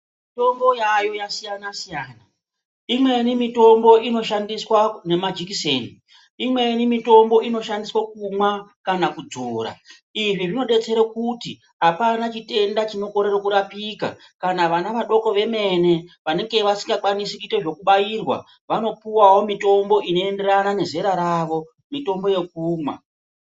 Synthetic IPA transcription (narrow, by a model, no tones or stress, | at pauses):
mito̞mbo̞jajo̞jasijanasijaːna | imwe̞nimito̞mbo̞ʔino̞ʃandiswane̞mad͡ʒikiseːni | imwe̞nimito̞mbo̞ʔino̞ʃandiswakumwakanakud͡zoːɾa̰ | iʐiʐino̞ɗe̞t͡se̞ɾekuti | ɦapanat͡ʃite̞ndat͡ʃino̞ko̞ɾe̞rokuɾapika̰ | kanaʋanaʋaɗo̞ko̞ʋe̞me̞ne̞ʋane̞ŋɡe̞ʋasi̥ŋɡakwanisikuiteʐo̞kuɓajirwa̰ | ʋano̞puwawo̞mito̞mbo̞ʔino̞e̞nde̞ranane̞ze̞ɾaɾaʋo̞ | mito̞mbo̞je̞k̚uːmwa̰